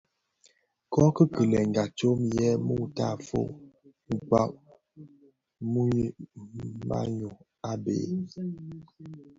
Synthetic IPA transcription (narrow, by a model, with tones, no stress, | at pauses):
kɔ˦kə˦kə˨lɛ˨ŋ̩˨ɡa˨t͡ʃo˦mjɛ˦mu˦˨ta˦˨fo̰˦ | ŋ̩˨k͡pwa̰˦ʔ̚ | mu˦ | ma̰˦ɲo˨ | a˦bḛ˨